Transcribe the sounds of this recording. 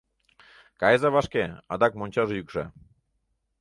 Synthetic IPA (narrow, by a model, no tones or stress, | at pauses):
kɑezɑβɑʃkeɑd̪ɑk̚monʲt͡ɕɑʒejykʒə̰